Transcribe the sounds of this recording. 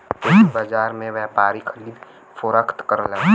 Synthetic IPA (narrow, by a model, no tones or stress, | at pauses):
ʊsibad͡ʒaːɾmẽʋɛːpaːɾikʰəɾiːd̪ | fʰoɾəkʰt̪kəɾla